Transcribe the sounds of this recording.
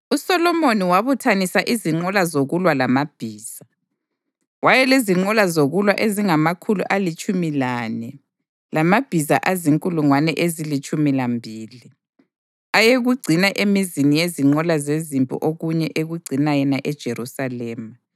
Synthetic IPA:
usɔlɔmoniwaβutʰanisaʔiziŋ͡ǃɔlazoɣulwalamab̥ʱiːz̥a | wajɛliziŋ͡ǃɔlazoɣulwaʔeziŋamakʰuluʔalit͡ʃʼumilanɛ | lamab̥ʱiza̰ʔaziŋkʼuluŋwanɛʔezilit͡ʃʼumilambʱiːli | ajeɣuɡ͡ǀʱinaʔemizinijeziŋ͡ǃɔlazezimpʼṵʔoɣuɲɛʔeɣuɡ͡ǀʱinajɛnaʔɛd̥ʒ̥ʱerusalɛːma

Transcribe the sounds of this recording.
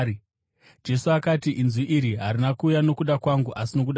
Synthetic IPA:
d͡ʒe̞suakatiʔinziʔiɾiɦaɾinakuːjano̞kuɗakwaŋɡuʔasino̞kuɗa

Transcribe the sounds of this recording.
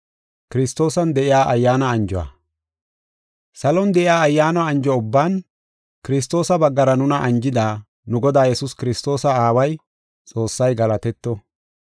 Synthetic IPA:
kɪɾɪst̪ːo̞ːsɐnd̪ɛʔɪjaːʔɐjːaːnɐːnd͡ʒɔwa̰ː | sɐlɔnd̪ɛʔɪaːɐjːaːnɐɐnd͡ʒɔʊbːaːn | kɪɾɪs̬t̪o̞ːsɐbɐɡːɐɾɐnʊnɐʔɐnd͡ʒɪd̪aː | nʊɡɔd̪aːjɛsʊskɪɾɪst̪o̞ːsɐaːwɐj | t͡sʼo̞ːsːɐjɡɐlɐt̪ɛt̪ːɔ

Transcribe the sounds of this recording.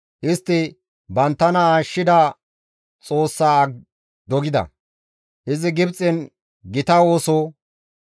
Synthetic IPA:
ʔɪst̪ːɪ | bɐnt̪ːɐnɐaːʃːɪd̪a | t͡sʼo̞ːsːaː | d̪ɔɡɪd̪ɐ̰ | ʔɪzɪɡɪbt͡sʼɪn | ɡɪt̪ɐwo̞ːso

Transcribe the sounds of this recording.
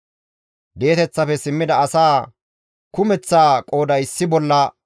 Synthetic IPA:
d̪e̞ːt̪ɛt͡sːɐfɛsɪmːɪd̪ɐːsaː | kʊmɛt͡sːaːkʼo̞ːd̪ɐjɪsːɪbɔlːɐ

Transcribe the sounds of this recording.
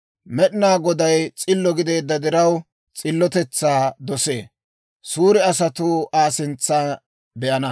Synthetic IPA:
mɛɗɪnaːɡɔd̪ɐjt͡sʼɪlːɔɡɪd̪e̞ːd̪ːɐd̪ɪɾɐw | t͡sʼɪlːɔt̪ɛt͡sːaːd̪ɔse̞̰ː | suːɾɪɐsɐt̪uːaːsɪnt͡sːaː | bɛʔɐnɐ

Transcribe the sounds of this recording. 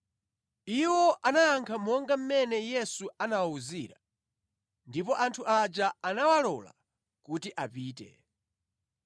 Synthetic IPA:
iwɔʔanajaŋkʰamɔŋɡam̩mɛnɛjɛsuanawauziːɾa | ndipɔʔantʰuʔad͡ʒaanawalɔla̰ | kutiʔapiːtɛ̰

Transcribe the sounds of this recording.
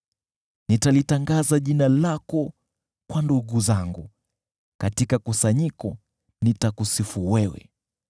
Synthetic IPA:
nitalitaŋɡazaʄinalakɔ | kwanduɠuzaŋɡṵ | katikakusaɲikɔ | nitakusifuwɛwɛ̰

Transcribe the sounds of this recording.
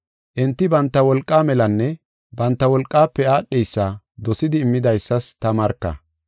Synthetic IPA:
ʔɪnt̪ːɪbɐnt̪ːɐwɔlkʼːaːmɛlɐnːɛ | bɐnt̪ːɐwɔlkʼːaːpːɛaːɗːɛjsːɐ | d̪ɔsɪd̪ɪːmːɪd̪ɐjsːɐst̪ɐmɐɾkːɐ̰

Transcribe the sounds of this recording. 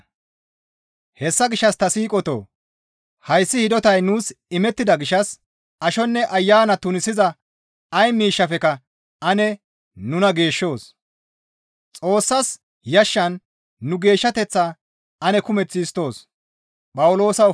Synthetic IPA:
hɛsːɐɡɪʃːɐst̪ɐsiːkʼɔt̪o̰ː | hɐjsːɪhɪd̪ɔt̪ɐjnuːsɪmɛt̪ːɪd̪ɐɡɪʃːɐs | ɐʃɔnːɛʔɐjːaːnɐt̪ʊnɪsɪzɐ | ɐjmiːʃːɐfɛkɐ | ɐnɛ | nʊnɐɡe̞ːʃːo̞ːs | t͡sʼo̞ːsːɐs | jɐʃːɐnː | ʊɡe̞ːʃːɐt̪ɛt͡sːa | ɐnɛkʊmɛt͡sːɪːst̪o̞ːs | pʼɐwʊlo̞ːsɐ

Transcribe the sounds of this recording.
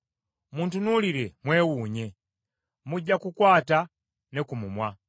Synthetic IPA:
muntunuliɾɛmwɛwuɲɛ | muɟakukwata | nɛkumumwa

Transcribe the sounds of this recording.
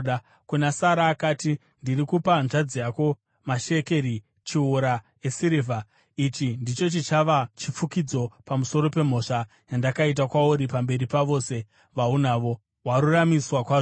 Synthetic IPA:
kunasaɾaːkaːti | ndirikupanʐad͡zijako̞ | maʃe̞keɾi | t͡ʃiuɾa | esiɾivʱa | it͡ʃindit͡ʃo̞t͡ʃit͡ʃaʋat͡ʃip͡fukid͡zo̞pamuso̞ɾo̞pe̞m̤o̞ʂa | jandakait̬akwauɾipambe̞ɾipaʋo̞ːse̞ | ʋaunaːʋo̞ | waɾuramiswakwaːʐo

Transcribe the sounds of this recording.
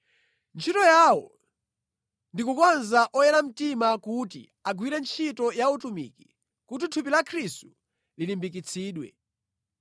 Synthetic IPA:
nt͡ʃʰitɔjawɔ̰ | ndikukwanzaʔɔjɛɾam̩timakutḭ | aɡwiɾɛnt͡ʃʰitɔjautumḭki | kut̬itʰupilakʰɾistu | lilimbikit͡sʰiːɗwɛ̰

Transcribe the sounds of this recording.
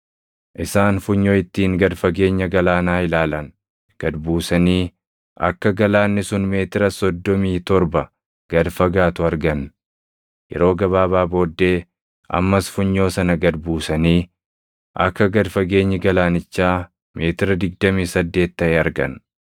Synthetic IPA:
ʔɪsaːnfʊɲːoːɪt̪ːiːŋɡɐd̪fɐɡe̞ːɲːɐɡɐlaːnaːɪlaːlɐn | ɡ̥ɐd̪buːsɐniː | ʔɐ̰kːɐɡɐlaːnːɪsʊnme̞ːt̪ɪɾɐsɔd̪ːɔmiːt̪ɔɾbɐ | ɡ̥ɐd̪fɐɡaːt̪ʊɐɾɡɐn | jɛ̰ɾo̞ːɡɐβaːβaːbo̞ːd̪ːe̞ː | ʔɐ̰mːɐsfʊɲːo̞ːsɐnɐɡɐd̪buːsɐniː | ʔɐ̰kːɐɡɐd̪fɐɡe̞ːɲːɐɡɐlaːnɪt͡ʃːaː | mʔe̞ːt̪ɪɾɐd̪ɪɡ̚d̪ɐmiːsɐd̪ːe̞ːt̪ːɐɛɐɾɡɐ̰n

